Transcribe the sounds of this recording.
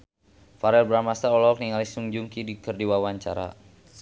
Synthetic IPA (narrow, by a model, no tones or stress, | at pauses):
faɾɛlbɾamast̪aɔlɔk̚niŋalisuŋd͡ʒuŋkidikərdiwawaɲt͡ʃa̰ɾa̰